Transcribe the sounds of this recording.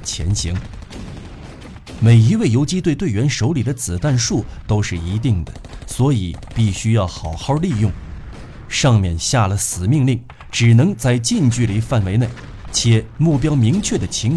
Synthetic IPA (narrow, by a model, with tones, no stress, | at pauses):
t͡ɕʰjɛ̰˧˥nɕi˧˥ŋ | me˨˩ɪi˧˥we˥˩ɪjo˧˥ʊt͡ɕi˥t̪we˥˧t̪we˥˩ɪɥɛ˧˥nʂo˧˥ʊli˨˩d̪ə˦t͡sɹ̩˨˩t̪a˥˧nʂu˥˩t̪o˥ʊʂɻ̩˥˩i˧˥t̪i˥˩ŋd̪ə˩swɔ˧˥i˨˩˦pi˥˩ɕy˥jɑ˥˩ʊxɑ˨˩ʊxɑ˥˧li˥˧jʊ˥˩ŋ | ʂɑ˥˧ŋmjɛ˥˧nɕja˥˩lə˩sɹ̩˨˩mi˥˧ŋli˥˩ŋ | ʈ͡ʂɻ̩˨˩nɤ˧˥ŋt͡sa˥˧ɪt͡ɕi˥˧nt͡ɕy˥˩li˨˩fa˥˩nwe˧˥ɪne˥˩ɪ | t͡ɕʰjɛ˨˩˦mu˥˩pjɑ˥ʊmi˧˥ŋt͡ɕʰɥɛ˥˩d̪ə˩t͡ɕʰi˧˥ŋ